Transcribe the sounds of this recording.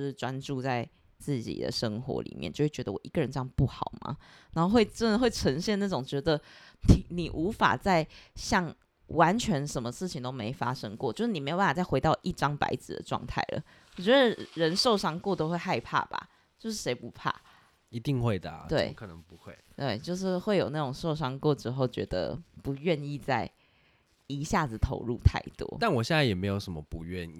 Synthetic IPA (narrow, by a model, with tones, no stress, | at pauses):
ʈ͡ʂwa˦˥nʈ͡ʂu˥˧t͡sa˥˧ɪ | t͡sɹ̩˥˩t͡ɕḭ˨˩d̪ə̰˨ʂɤ˥ŋxwɔ̰˧˥lḭ˨˩mjɛ̰˩˨nt͡ɕo˥˧we˥˩t͡ɕɥɛ˧d̪ə˧wɔ̰˨˩ʔi˧˥ɡə˨ɻə˧˦nʈ͡ʂɤ˥˧jɑ˥˩ŋpu˥˩xɑ˨˩ʊma̰˦ | na˨˧˥xo˥˧we˥˩ɪʈ͡ʂə˥˩˧xwe˥˩ɪʈ͡ʂʰə˧˥ŋɕjɛ˥˧na˥˩ʈ͡ʂʊ˨˩ŋt͡ɕɥɛ˧˥d̪ə˧ni˨˩ni˨˩ʔu˧˥fa̰˨˩t͡sa˥˧ɪɕjɑ˥˩ŋ | wa˧˦nt͡ɕʰɥɛ˧˥nʂə˧˥nmə˧ʂɻ̩˥˩t͡ɕʰi˨ŋt̪o˥ʊme˧˥ɪfa˥ʂɤ˥ŋkwɔ̰˥˨t͡ɕjo˥˧ʊʂɻ̩˥˩i˨˩e˧˥o˨˩pa˥˩ft͡sa˥˩ɪwe˧˥ɪt̪ɑ˥˧ʊʔi˥˩ʈ͡ʂɑ˥˦ŋpa̰˧˥ɪd͡zɹ̩˨˩d̪ə̰˩ʈ͡ʂwɑ̰˥˧ŋt̪ʰa˥˩ɪlə̰˩ | wɔ˨˩t͡ɕɥɛ˧˦˥d̪ə˧˨ɻə˧˦nʂo˥˩ʊʂɑ˥ŋkwɔ˥˨t̪o˥ʊxwe˥˧ɪxa˥˧ɪpʰa̰˥˩b̥a̰˩ | t͡ɕjo˥˧ʊʂ̬ɻ̩˥˩ʂe˧˥ɪpu˧˥pʰa̰˥˩ | i˧˥t̪i˥˧ŋxwe˥ɪd̪ə˨˩a̰˨tt̪we˥˩˥ɪ˥kʰɤ˨˩nə˧˦ŋpu˧˦xwe˥˩ɪt̪we˥˩ɪt͡ɕjo˥˧ʊʂ̬ɻ̩˥˧xwe˥˩ɪjo˨ʊna˥˩ʈ͡ʂʊ˨˩ŋʂo˥˩ʊʂɑ˥ŋkwɔ˥˩ʈ͡ʂɻ̩˧˥xo˥˩ʊt͡ɕɥɛ̰˧˥d̪ə̰˧pu˧˥ɥɛ˥˧ni˥˧t͡sa˥˩ɪ | i˧˥ɕja˥˩d͡zɹ̩˨˩t̪ʰo̰˧˥ʊɻṵ˥˧t̪ʰa̰˥˩ɪt̪wɔ̰˥˦t̪a˥˨nwɔ˨˩ɕjɛ˥˧nt͡sa˥˩jɛ˨˩me˧˥ɪjo˨˩ʊʂə˧˦mə˨pu˧˦ɥɛ˥˨ni˨